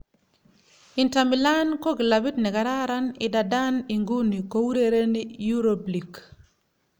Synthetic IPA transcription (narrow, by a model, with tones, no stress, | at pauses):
i˨nta˨mi˨la˦nkɔ˦ɡi˨la˨bi˦tnɛ˨ka˨ɾa˦ɾa˦ni˨da˨da˦ni˨ŋɡu˦ni˨ko˦wu˦ɾe˦ɾe˦ni˦ju˦ɾo˨bli˨k